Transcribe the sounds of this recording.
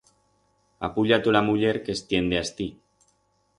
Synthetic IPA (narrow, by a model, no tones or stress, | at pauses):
a̰puʎat̪ulamuʎe̞ɾkest̪je̞nd̪east̪i